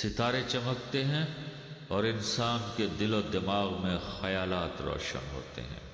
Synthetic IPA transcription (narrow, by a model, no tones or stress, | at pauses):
sɪt̪aːɾet͡ʃɐmək̚t̪eɦɛ̃ | ɔːɾɪnsaːnked̪ɪlɔːɾd̪ɪmaːɣmẽxɐjaːlaːt̪ɾɔ̰ːʃə̰nɦo̰ːt̪ḛɦɛ̰̃ː